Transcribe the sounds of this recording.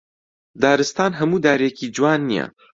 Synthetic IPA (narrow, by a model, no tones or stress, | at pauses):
d̪aːɾɨst̪aːnɦɐmuːd̪aːɾekid͡ʒwaːnːijɛ̰